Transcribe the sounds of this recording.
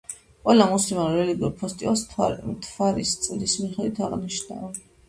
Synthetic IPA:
qʼwɛlamuslimanɾɛliɡiuɾpʰɔst̪ʼḭa̰lˠsʰt̪ʰvaɾist̪sʼlismiχɛd̪wit̪ʰaʁniʃna̰

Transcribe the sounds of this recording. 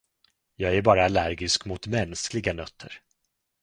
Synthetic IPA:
jɑːɡæɾbɑːɾaːlæɾɡɪskmʊt̪mɛnsklɪɡanœt̪ʰːə̰ɾ

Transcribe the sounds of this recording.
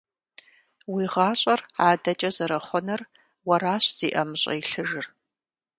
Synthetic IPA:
wiːʁɑːɕʼɐraːdɐt͡ʃʼɐzɐɾɐχʷɔnɐr | wɐɾaːɕz̥iːʔɐmɨɕʼɐ̰jɬɨʒɨr

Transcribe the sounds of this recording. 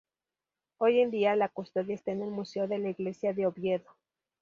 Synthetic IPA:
o̞je̞nd̪ialakost̪o̞ðjaest̪aene̞lmuse̞o̞ðe̞laiɣle̞sjaðe̞o̞βje̞ðo

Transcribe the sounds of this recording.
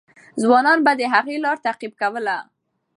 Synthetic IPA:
zwɑnɑnbad̪əɦaɣelɑɾt̪aqib̚kawəla

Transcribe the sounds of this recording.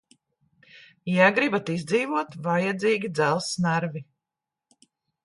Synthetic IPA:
jaɡɾibat̪izd̪ziːvuɔt̪vajɛd̪ziːɡʲid̪zælˠsnaɾvi

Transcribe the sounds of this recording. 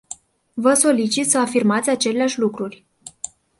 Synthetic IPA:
vəso̞lit͡ʃit̪səafirmat̪sʲat͡ʃe̞leaʃʲlukɾurʲ

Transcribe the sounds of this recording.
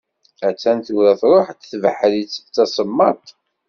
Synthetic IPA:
æt͡sːænθuɾæθɾˤoħt̪θvəħəlit͡sːə̥t͡sːɑsˤəmːɑt̪ˤ

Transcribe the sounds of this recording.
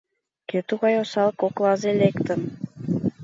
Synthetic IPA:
ket̪uɣɑjosɑlˠkoklˠɑzelekt̪ə̆m

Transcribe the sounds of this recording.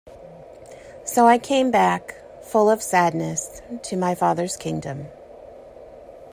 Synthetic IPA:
soʊaɪkʰẽɪ̃mbæk | fʊlˠʌv̥sædⁿnɨstʰɨmaɪfɑðə˞z̥kʰɪ̃ŋdɨ̃m

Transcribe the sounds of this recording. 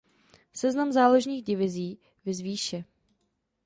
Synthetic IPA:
sɛznamzaːloʒɲiːɣdɪvɪziː | vɪzviːʃɛ

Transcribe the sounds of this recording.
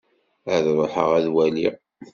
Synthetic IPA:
æðɾˤəħəʁæðwæli

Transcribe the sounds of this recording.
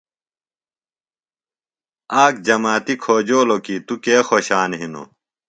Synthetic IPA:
aːkd͡ʑɐmaːt̪ikʰoːd͡ʑoːlokit̪ukeːxoɕaːnɦino̰

